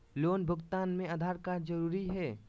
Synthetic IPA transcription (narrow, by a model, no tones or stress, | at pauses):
loːnbʱəɡt̪aːnmẽəd̪ʱaːɾkad͡ʒəɾuːɾiɦɛː